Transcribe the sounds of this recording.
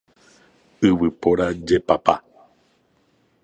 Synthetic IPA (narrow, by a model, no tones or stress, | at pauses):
ɨwɨpoɾad͡ʒepapa̰